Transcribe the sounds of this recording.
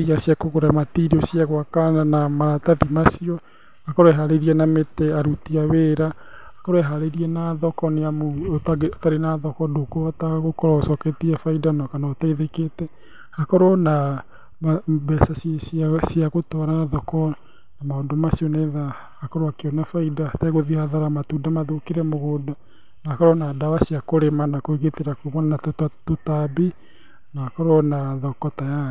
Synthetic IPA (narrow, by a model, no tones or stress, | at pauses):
ijasjakoɣoɾamatiɾiɔsjaɣwakaanamaðataðimasiɔ | hakɔɾoɛɦaɾeɾiɛnametɛaɾutiaweɾa | hakɔɾoɛɦaɾeɾiɛnaðɔkɔneamotaotaɾenaðɔkɔdokoataɣokɔɾaosɔketiɛfaidɔnɔkanaːtaiðeketɛ | hakɔɾoɔna | mabɛsasssiaɣotɔɾaðɔkɔ | namaodomasionɛða | hakɔɾoakeɔnafaidatɛɣoðihaðaɾamatudamaðokeɾɛmoɣoda | naakɔɾɔnadawasiakoɾemanakoeɣeteɾakomɔnanatttotabi | naakɔɾɔnaðɔkɔtaja